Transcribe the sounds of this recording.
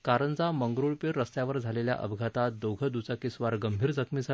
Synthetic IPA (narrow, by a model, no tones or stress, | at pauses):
kaɾənd͡zaməŋɡɾuɭpiɾːəst̪jaʋəɾd͡zʱalelja̰ʔə̰bʱɡʱat̪ad̪oɡʱəd̪ut͡sakisʋaɾɡəmbʱiːɾd͡zəkʰmiːd͡zʱa